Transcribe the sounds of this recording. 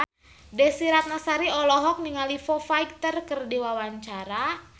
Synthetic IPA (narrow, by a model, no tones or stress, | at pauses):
dɛsiɾat̪̚nasaɾiɔlɔɦɔk̚niŋalifɔfaik̚t̪ərkərdiwawaɲt͡ʃaɾa